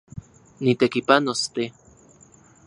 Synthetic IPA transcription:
nit̪ekipanost̪e

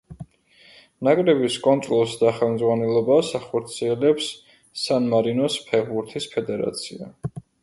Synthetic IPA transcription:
nakʼɾɛbiskʼɔnt̪ʼɾɔlˠsd̪aχɛlˠmd̪zʁwanɛlˠɔbasaχɔɾt̪sʰiɛlɛpsː | anmaɾinɔspʰɛʁbuɾt̪ʰispʰɛd̪ɛɾa̰t̪sʰia̰

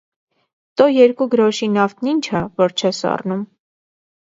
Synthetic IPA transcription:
t̪ɔjɛɾkuɡəɾɔʃinɑft̪̚ʰnint͡ʃʰɑvɔɾt͡ʃʰɛsɑ̰rnum

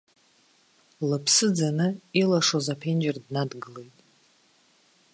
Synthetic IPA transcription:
lɨpʰsɨd͡zanɨilaʂozapʰend͡ʒardnadɡɨle̞jtʼ

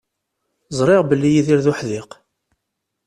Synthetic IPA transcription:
zˤɾˤɪʁbəlːijiðɪɾðʊħðɪq

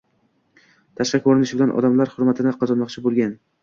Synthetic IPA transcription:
t̪ʰaʃqɑkʰoɾɪnɪʃɪbɪlanʔɒ̰d̪amlaɾhʊɾmat̪ʰɪnɪqʰɒzɒnmɒqt͡ʃʰɪbolˠɡʲan

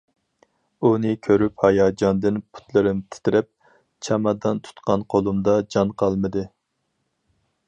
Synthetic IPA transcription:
unɨɪkʲʰøɾyphɑjɑːd͡ʒɑnd̪ɨnpʰu̥t̪lˠɨɾɪmt̪ʰɪ̥t̪ɪɾɛp̚ | t͡ʃʰɛmɑd̪ɑnt̪ʰu̥t̪qɑnqʰolˠumd̪ɑd͡ʒɑnqʰɑlˠmɨd̪ɨ

